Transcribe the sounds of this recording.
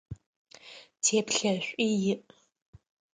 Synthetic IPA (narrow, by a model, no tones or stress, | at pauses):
tʰeːpʰɬɐɕʷʼʔijɪʔ